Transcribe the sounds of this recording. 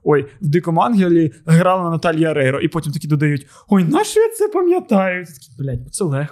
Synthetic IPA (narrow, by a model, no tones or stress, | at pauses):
ɔjwd̪ɪkɔmɑnɦʲilʲiɦɾɑlˠɐnɐnɐt̪ɑlʲjɐɐɾɛɾɔʔipɔtʲimt̪ɐkʲid̪ɔd̪ɐjutʲ | ɔjnɑʃijɐt̪sɛpɐmʲjɐt̪ɑjʊtʲt̪ɐ̥kʲibɪlʲatʲbɔt̪sɛlˠɛxk